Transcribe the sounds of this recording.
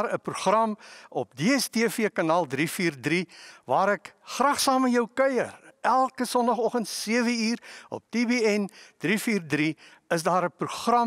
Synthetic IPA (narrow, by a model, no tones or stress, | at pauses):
ɾəpruχrɐmɔp̚deɛstiəfiəkɑnɑːlˠdrifiːrdrivɑːɾɛkχrɑːχsɑːməjœwkœjə̰rʔælˠkəsɔndɐχɔχəntsiəvəiːrɔ̰p̚d̥iːbiɛnd̥rifiːrdri | əsdɑːɾəpruχrɐm